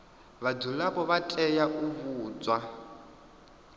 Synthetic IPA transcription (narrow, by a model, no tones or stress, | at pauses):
βadulapʼɔβatʼɛjaʔuβuːt͡swa